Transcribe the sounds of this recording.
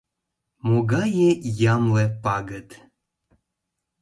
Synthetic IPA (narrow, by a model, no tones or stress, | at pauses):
moɡɑjejɑmlepɑɡət̪